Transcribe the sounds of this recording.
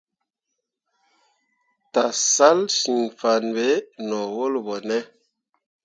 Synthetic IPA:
ta˨sa˦lsi˨ŋfa˨nbe˦nɔ˨wo˦lbɔ˨nɛ˦

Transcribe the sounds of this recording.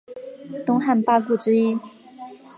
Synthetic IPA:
t̪ʊ˥ŋxa˥˩npa˥˧ku˥˩ʈ͡ʂɻ̩˥i˥

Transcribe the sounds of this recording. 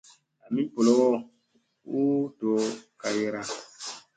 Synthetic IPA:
a˨mĩ˦bɔ˨lɔ˨˦ɡɔ˦ | u˦dɔ˨ka˨jɛ˦ɾa˦

